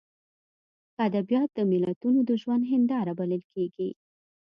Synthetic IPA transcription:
ad̪abijɑt̪̚d̪əmɪlat̪unod̪əʒwand̪ɦɪnd̪ɑɾabaləlkʰeɡi

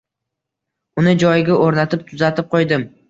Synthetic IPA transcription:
ʊnɪd͡ʒɒjɪɡʲaʔoɾnat̪ʰɪpt̪ʰʊzat̪ʰɪp̚qʰojd̪ɪm

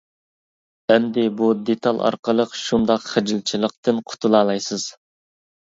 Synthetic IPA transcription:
ɛmd̪ɪbud̪et̪ʰɑlˠɑ̰ɾqəlˠəqʃund̪ɑqχɪd͡ʒilt͡ʃʰilˠəq̚t̪ɨnqʰʊ̥t̪ʰulˠɑːlˠɑjsɨz̥

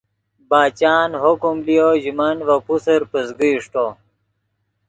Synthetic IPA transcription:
baːt͡ɕaːnɦokumlijoʑimɐnʋɐpusəɾpəzɡiiʂʈo

